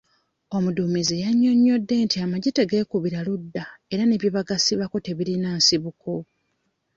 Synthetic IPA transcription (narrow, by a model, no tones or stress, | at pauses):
o̞mudumizejaɲːo̞ɲːo̞dːe̞ntʰiamaɟiteɡe̞ːkuβiɾaludːae̞ɾane̞βjeβaɡasiβako̞te̞βiɾinaːsiβukʰo̞